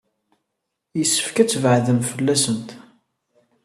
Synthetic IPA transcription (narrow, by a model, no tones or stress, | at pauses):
jəsːə̥fkæt͡sːvʕðəmfəlːæsənt̪